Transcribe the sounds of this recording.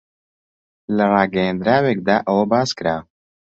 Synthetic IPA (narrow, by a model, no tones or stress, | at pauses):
lɐrɑːɡɐjend̪ɾaːweːk̚d̪aːʔɐwɐbaːzkɾaː